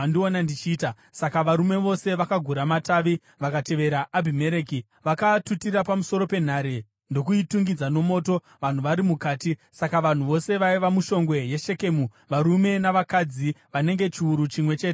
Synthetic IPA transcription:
ndionandit͡ʃiːta | sakaʋaɾume̞ʋo̞se̞ʋakaɡʱuɾamataːʋi | ʋakate̞ʋe̞ɾaʔːbʱime̞ɾeːki | ʋakatutirapamuso̞ɾo̞pe̞n̤aɾe | ndo̞kuituŋɡid͡zano̞mo̞ːto̞ | ʋan̤uʋaɾimukaːtisakaʋan̤uʋo̞se̞ʋaiʋamuʃo̞ŋɡwe̞je̞ʃe̞ke̞mu | ʋaɾume̞naʋakad͡ziʋane̞ŋɡe̞t͡ʃiuɾut͡ʃimwet͡ʃe̞ːte

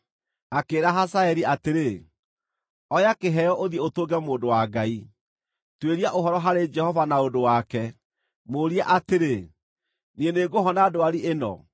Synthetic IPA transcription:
akeːɾaɦasaɛɾiateɾe | ɔjakeɦɛjɔʔoðiɛotoːɡɛmoːndowaɡai | tweɾiaʔoɦɔɾɔɦaɾed͡ʒɛhɔvanaodowakɛ | moɾiaʔateɾe | nieneɡoɦɔnaːdoaɾiʔenɔ̰

